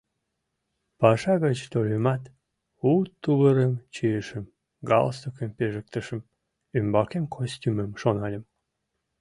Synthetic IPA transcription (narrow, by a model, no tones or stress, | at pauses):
pɑʃɑɣət͡ɕt̪olʲemɑt̪ | ut̪ːuβəɾəmt͡ɕiəʃəm | ɡɑ̰lsokəmpeʒək̚t̪əʃəm | ymbɑkemkʰosʲtʲyməmʃonɑlʲəm